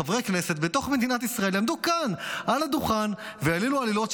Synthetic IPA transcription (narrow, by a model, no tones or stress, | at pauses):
avʁekne̞se̞t̪be̞t̪o̞χme̞d̪inat̪isʁae̞lamd̪ukanʔalad̪uχanvealilualilo̞t̪ʃ